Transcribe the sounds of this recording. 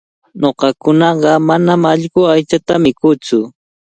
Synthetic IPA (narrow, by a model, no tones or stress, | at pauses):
noɢɑkʊnɑɢɑmanamaʎɢʊajt͡ʃat̪amɪkʊt͡sʊ